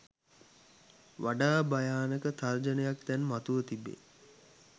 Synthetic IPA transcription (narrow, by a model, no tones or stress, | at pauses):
ʋaɖaːbajaːnəkət̪ard͡ʒənəjak̚t̪ɛnmat̪uʋət̪ibḛ